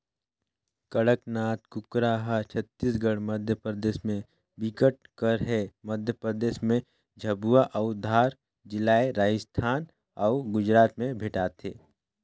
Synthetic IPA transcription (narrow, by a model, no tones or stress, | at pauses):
kəɽəknaːt̪kʊkɾaːɦat͡ʃʰət̪ːiːsɡəɽməd̪ʱjəpɾəd̪eːʃmẽ | bɪkəʈ̚kəɾɦɛməd̪ʱjəpɾəd̪eːʃmẽ | d͡ʒʱɐbuaʔɐʊd̪ʱaːɾ | d͡ʒɪlaːeɾaːd͡ʒəst̪ʰaːn | ɔːɡʊd͡ʒɾaːt̪mẽbʱeʈaːt̪ʰḛː